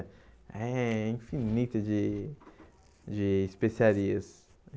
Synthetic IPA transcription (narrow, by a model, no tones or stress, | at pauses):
ɛĩfinit̪ɐd͡ʒɪ | d͡ʒɪːspesiaɾiɐs